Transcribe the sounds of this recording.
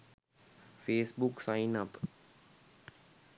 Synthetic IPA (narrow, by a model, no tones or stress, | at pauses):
feːsbuksainap